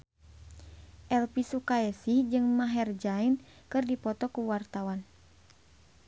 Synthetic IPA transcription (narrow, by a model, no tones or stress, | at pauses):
ʔɛlpisukaɛsihd͡ʒɨŋmaɦɛrd͡ʒainkɨrdipɔt̪ɔkuwart̪awan